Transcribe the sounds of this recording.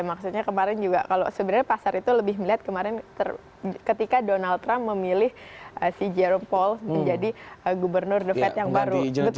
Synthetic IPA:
maksut̪ɲakəmaɾɪnd͡ʒuɡa̰kalosəbənarapasaɾit̪uləbɪhməliɦat̪̚kəmaɾɪnt̪ər | kət̪ikadonalt̪ːɾamːəmilɪhʔəsid͡ʒɛɾɔmpɔlsməɲd͡ʒadiəɡubərnʊrdəfɛt̪jaŋbaɾu

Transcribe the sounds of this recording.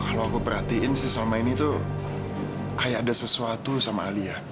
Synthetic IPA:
kaloakupəɾhat̪iɪnsɪsamainit̪u | kajaːdasəsuat̪usamaːlia

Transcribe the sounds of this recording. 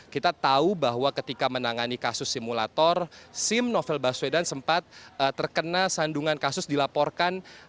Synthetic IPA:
kit̪at̪aubaɦwakət̪ikamənaŋanikasʊsːimula̰t̪ɔrsɪmnofɛlbaswedansəmpat̪̚ət̪ərkənasanduŋankasʊsdilapɔrkan

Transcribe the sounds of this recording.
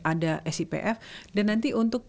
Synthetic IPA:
ʔadaʔɛsipḛʔɛfdanːant̪iʔunt̪ʊk̚

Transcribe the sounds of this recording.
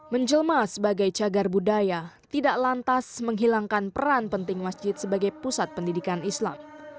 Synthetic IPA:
məɲd͡ʒəlmasəbaɡajt͡ʃaɡarbudajat̪idaʔlant̪asməŋɦilaŋkanpəɾanpənt̪ɪŋmasd͡ʒɪt̪̚səbaɡajpusat̪̚pəndidikanisla̰m

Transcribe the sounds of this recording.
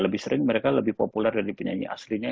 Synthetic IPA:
ləbɪhsəɾɪŋməɾekaləbɪhpopulɛrdaɾipəɲa̰ɲḭʔa̰sliɲa

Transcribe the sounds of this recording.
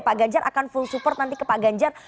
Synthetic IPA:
paɡaɲd͡ʒaɾʔa̰kanfulsupɔrt̪nant̪ikəpaɡaɲd͡ʒar

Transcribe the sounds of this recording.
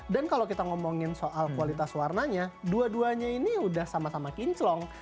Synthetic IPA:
dankalowkit̪aŋɔmɔŋɪnsoʔalkuwalit̪aswarnaɲaduaduaɲainiudahsamasamakiɲt͡ʃlɔŋ

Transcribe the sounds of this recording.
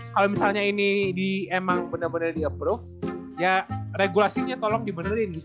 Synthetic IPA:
kalowmisalɲainidiemaŋbənərbənərdiəpɾʊf | jareɡulasiɲat̪ɔlɔŋdibənərin

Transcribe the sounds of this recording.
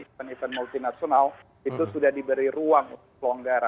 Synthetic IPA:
anifɛnmult̪inasional | it̪usudahdibəɾiɾuaŋṵnt̪ʊkklaŋɡaɾa

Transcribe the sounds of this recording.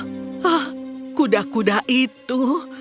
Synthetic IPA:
ahkudakudaʔit̪u

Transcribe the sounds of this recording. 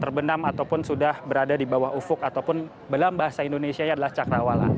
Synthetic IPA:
t̪ərbənamat̪awpʊnsudahbəɾadadibawaɦufʊk̚at̪awpʊn | bəlambaɦasaindonesiaɲadalaht͡ʃakɾawala̰

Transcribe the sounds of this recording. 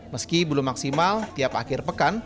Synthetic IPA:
məskibəlʊmːaksimalt̪iapa̰kɪrpəkan

